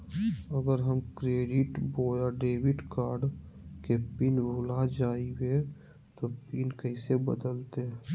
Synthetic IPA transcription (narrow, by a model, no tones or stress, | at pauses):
əɡəɾɦəmkɾeːɖɪʈboːjaɖeːwɪʈkaːɾɖ | kepiːnbʱulad͡ʒaːiwe | t̪opinkəɪsebə̰d̪əlt̪e